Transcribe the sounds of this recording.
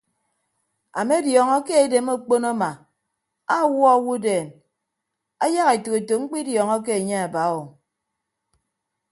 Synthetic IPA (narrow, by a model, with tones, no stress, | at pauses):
a˨me˦djɔ˨ŋɔ˦ke˦e˨de˨mo˦k͡po˦na˦ma˨ | a˦˨wɔ˦a˦˨wu˦deː˨n | a˦ja˦ɣe˨to˨e˨to˨ŋ͡m̩˦k͡pi˦djɔ˨ŋɔ˦k̬e˦e˨ɲe˦a˨ba˨˦wo˨